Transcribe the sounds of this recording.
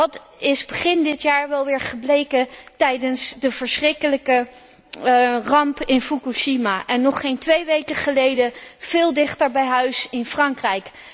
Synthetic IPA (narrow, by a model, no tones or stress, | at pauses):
ʋɑt | ɪzbəχɪndɪtjaːɹʋɛlˠʋɪːɹχəblejkətɛjdənsdəv̥əɹsχrɪkələkə | rɑmpɪnfukuʃimaʔɛnːɔχejntʋejʋejkəχəlejdəv̥ɪːlˠdɪχtəɹbɛjɦœɥsɪnfrɑŋkrɛjk